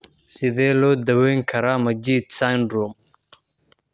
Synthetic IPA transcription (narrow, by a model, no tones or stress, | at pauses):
sɪðɛːlɔːd̪ɐwɛjŋkʰɐɾaːmɐd͡ʒiːd̪̚sandɾɔm